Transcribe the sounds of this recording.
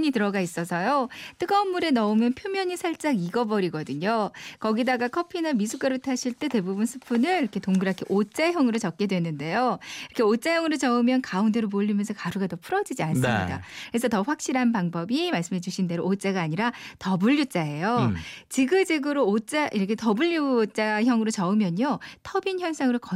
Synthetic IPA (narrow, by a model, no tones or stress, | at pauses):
ɲitɯɾʌɡais͈ʌsʰʌjot͈ɯɡʌmːuɾe̞nʌumjʌnpʰjomjʌɲisʰaɭt͡ɕ͈aŋiɡʌbʌɾiɡʌdɯɲokʌɡidaɡakʰʌpʰinɯmis̬ʰuk͈aɾotʰaɕʰiɭt͈e̞te̞bubunsʰɯ̥pʰunɯɭiɾʌkʰetoŋɡɯɾakʰeʔot͡ɕ͈ajʌŋɯɾot͡ɕʌk̚k͈e̞dwe̞nɯnde̞joiɾʌkʰeot͡ɕ͈ajʌŋɯɾot͡ɕʌɯmjʌnkaundeɾomoʎːimjʌnsʰʌkaɾuɡatʌpʰuɾʌd͡ʑid͡ʑians͈ɯmɲida̰keɾes̬ʰʌtʌɸwak̚ɕ͈iɾanpaŋbʌbimaɭs͈ɯmɦed͡ʑuɕʰinde̞ɾot͡ɕ͈aɡaːɲiɾatʌbuʎːut͡ɕ͈ae̞jot͡ɕiɡɯd͡ʑeɡɯɾoːt͡ɕ͈aʔiɾʌkʰe̞tʌbuʎːut͡ɕ͈açjʌŋɯɾot͡ɕʌɯmjʌɲotʰʌbinçjʌɭs͈ʰaŋɯɾokʌ